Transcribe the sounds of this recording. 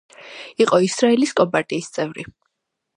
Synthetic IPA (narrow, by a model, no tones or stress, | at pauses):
iqʼɔisɾaɛliskʼɔbat̪ʼiːst̪sʼɛvɾi